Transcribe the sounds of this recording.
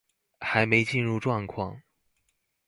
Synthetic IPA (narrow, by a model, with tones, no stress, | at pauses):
xa˧˥ɪme˧˥ɪt͡ɕi˥˧nɻu˥˧ʈ͡ʂwɑ˥˧ŋkʰwɑ̰˥˩ŋ